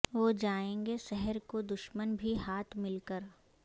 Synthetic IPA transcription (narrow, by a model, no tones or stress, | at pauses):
ʋoːd͡ʒaːẽːŋɡeʃɛɦɛɾkod̪ʊʃmənbʱiɦaːt̪ʰmɪlkəɾ